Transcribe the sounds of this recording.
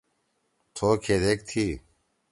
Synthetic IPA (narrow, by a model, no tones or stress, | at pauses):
t̪ʰoːkʰeːɾeːkt̪ʰiː